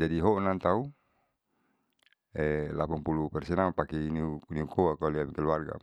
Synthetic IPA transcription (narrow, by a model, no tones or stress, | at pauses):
d͡ʒadiɦɔʔnant̪au | ɛlapaŋpulupɛrsɛnaupakɛniuniukɔakaliapikɛluarɡa̰